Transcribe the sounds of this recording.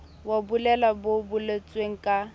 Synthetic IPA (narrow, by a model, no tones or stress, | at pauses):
wabulɛlabobʊlet͡sʼweŋ̩kʼa